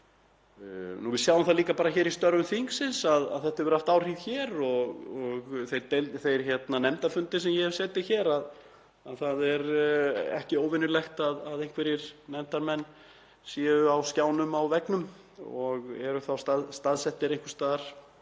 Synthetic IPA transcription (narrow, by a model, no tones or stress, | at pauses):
nuvɪðsjawʏmθaðliːkapaːɾaçɛːɾist̪œɾvʏmθiŋksɪnsaða̰ðθɛht̪aɾvɛɾaft̪aːwr̥iːðçɛːɾɔɣɔɣθejɾt̪elθejɾ̥çɛt̪nanɛmt̪aɾfʏnt̪ɪs̬ɛmjɛhɛv̥sɛːt̪ɪçɛːɾað | aðθaðɛɾɛ̰hcɪoːwvɪnʏlɛxt̪aðaðejhŋ̥kʰvɛɾɪɾ̥nɛmt̪aɾmɛnː | siːʏawscaːwnʏmawvɛknʏm | ɔɣɛɾʏθawst̪aðst̪aðsɛht̪ːɪɾẽjŋkʏ̥st̪aːðɾ̥